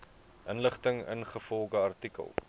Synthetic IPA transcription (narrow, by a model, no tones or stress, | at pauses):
ʔənləχtəŋə̰nχəfɔlˠχəɐrtikə̰lˠ